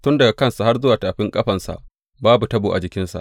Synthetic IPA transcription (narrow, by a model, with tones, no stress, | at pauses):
tʊ˦ndɐ˨ɡa˨kɐ˦nsa˨ha˦rzʊ˦waː˨taː˨ɸɪ˦ŋkʼɐ˦ɸɐ˨nsa̰˨ʔ | baː˦bu˨tɐ˦buː˨ʔa̰˨d͡ʒɪ˨kʲɪ˦nsa̰˨ʔ